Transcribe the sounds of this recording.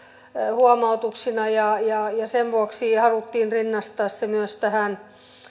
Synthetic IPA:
huomɑut̪uksinɑjɑjɑjɑseʋʋuoksiːhɑlut̪ːiːnrinːɑst̪ɑːssemyøst̪æhæn

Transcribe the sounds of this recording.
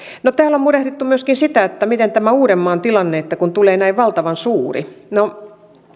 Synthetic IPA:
not̪æːlommurehɾit̪ːumyøskinsit̪æet̪ːæmit̪ent̪æmæuːɾemːɑːnt̪ilɑnːeet̪ːækunt̪uleːnæiʋʋɑlt̪ɑʋɑnsuːrḭno

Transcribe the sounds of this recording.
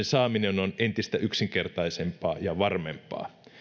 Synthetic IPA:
nsɑːminenonent̪ist̪æʔyksiŋkert̪ɑisempɑːjɑʋɑrmempˑɑ̰ː

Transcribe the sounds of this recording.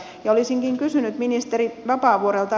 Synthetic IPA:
jɑolisiŋkiŋkysynyt̪minist̪eɾiʋɑpɑːʋuoɾelt̪ɑ

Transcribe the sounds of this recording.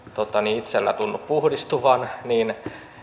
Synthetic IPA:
t̪ot̪ːɑniit̪selːæ̰t̪unːuppuhdist̪uʋɑnniːn

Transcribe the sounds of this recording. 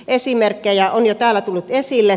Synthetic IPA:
esimerkːejɑonjot̪æːlːˑæt̪ulːut̪esilːe

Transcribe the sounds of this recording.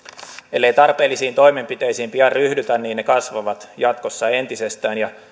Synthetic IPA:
e̞lːejt̪ɑrpe̞ːlːisiːnt̪o̞jme̞mpit̪e̞jsiːmpiɑrryhdyt̪ænniːnne̞kɑsʋɑʋɑt̪jɑt̪ko̞sːɑent̪ise̞st̪æːnjɑ

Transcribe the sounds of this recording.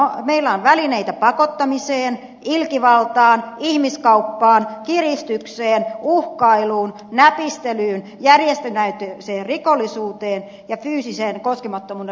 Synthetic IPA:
omeilːæonʋælineit̪æpɑkot̪ːɑmiseːn | ilkiʋɑlt̪ɑːnihmiskɑupːɑːnkirist̪ykseːnuhkɑiluːn | næpist̪elyːn | jærjest̪enæyt̪eseːrrikolːisuːt̪eːn | jɑfyːsiseːnkoskemɑt̪ːomuːde

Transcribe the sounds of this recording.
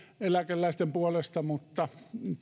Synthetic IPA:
elækelːæist̪empuolest̪ɑmut̪ːɑ

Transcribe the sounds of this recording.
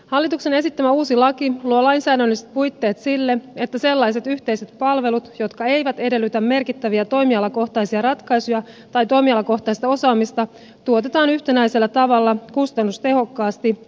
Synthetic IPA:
hɑlːit̪ukse̞ne̞sit̪ːæmæuːsilɑkiluolɑjnsæːdælːist̪̚pujt̪ːe̞ːt̪silːe̞e̞t̪ːæse̞lːɑjs̬e̞t̪yçt̪e̞jse̞t̪pɑlʋe̞lut̪jo̞t̪kɑe̞jʋæt̪e̞de̞lːyt̪æmːme̞rkit̪ːæʋiɑt̪o̞jmiɑlɑko̞ht̪ɑjsiɑɾɑt̪kɑjsujɑ | t̪ɑjt̪o̞jmiɑlɑko̞ht̪ɑist̪ɑo̞sɑːmist̪ɑ | t̪uo̞t̪e̞t̪ɑːnyçt̪enæjse̞lːæt̪ɑʋɑlːɑkust̪ɑnːust̪e̞ɦo̞kːɑːst̪i

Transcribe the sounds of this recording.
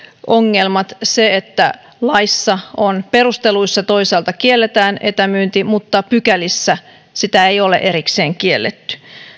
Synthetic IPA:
ʔoŋːelmɑt̪seet̪ːæ | lɑisːɑonpe̞ɾust̪eluisːɑt̪o̞iseːlt̪ɑkielːet̪æːnet̪æmyːnt̪imut̪ːɑpykælisːæ | sit̪æejo̞lḛʔe̞ɾikseːŋkielːet̪ːy̥

